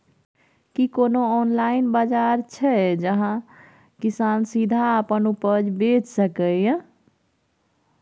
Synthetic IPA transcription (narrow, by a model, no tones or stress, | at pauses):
kikonoɔnlainbad͡ʒaɾt͡ʃʰɛd͡ʒəɦã | kisansid̪ʱaəpənupəd͡ʒbet͡ʃsəkəjə̃